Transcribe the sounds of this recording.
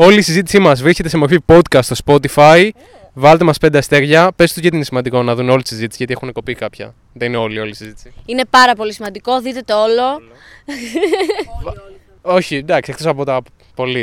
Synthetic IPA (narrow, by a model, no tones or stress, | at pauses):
o̞liːsizit̪̬isimɐzvɾisce̞t̪e̞semofipo̞t̪kɐst̪ːst̪ospo̞t̪ifɐj | vɐlet̪emɐsped̪ɐest̪e̞ɾʝɐpe̞st̪ucet̪iinesimɐnd̪iko̞nɐðuneo̞lit̪isizit̪isiʝɐt̪ie̞xune̞ko̞pikɐpçɐ̰ | ðenineo̞lio̞lisizit̪i̥siine̞pɐɾɐpo̞lisimɐnd̪iko̞ðit̪e̞t̪oolo̞ | o̞çid̪ɐksiekt̪o̞sɐpot̪ɐ | po̞li